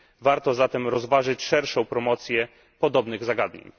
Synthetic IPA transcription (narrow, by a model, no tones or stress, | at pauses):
vaɾt̪ɔzat̪ɛmɾɔzvaʐɘt͡ɕʂɛɾʂɔ̃w̃pɾɔmɔt̪sʲjɛ | pɔd̪ɔbnɘɣzaɡad̪ɲḛɲ